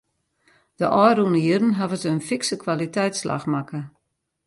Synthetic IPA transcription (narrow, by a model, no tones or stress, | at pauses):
d̥əʔɔjrɾunəjirən̩ɦavətənfɪksəkʰwalitɛjtslʔa̰xmakə